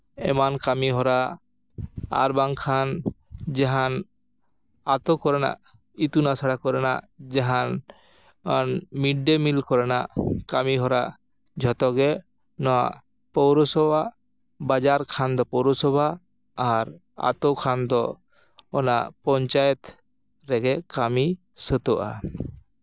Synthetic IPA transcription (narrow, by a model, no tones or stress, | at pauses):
ɛmankamiɦɔɾa | a̰ɾbaŋkʰan | d͡ʒɛɦan | at̪okɔɾena̰ | it̪unasaɽakɔɾena̰ | d͡ʒɛɦan | nmiɖːemilkɔɾenakamiɦɔɾa | d͡ʒʱɔt̪ɔɡɛ | nɔa̰ʔ | pɔwɾɔsɔbʱa | bad͡ʒaɾkʰand̪ɔpɔwɾɔsɔbʱaː | ɾ | a̰t̪ɔkʰand̪ɔː | naʔpɔɲt͡ʃajɛt̪ | ɾɛɡɛkami | sət̪ɔʔa̰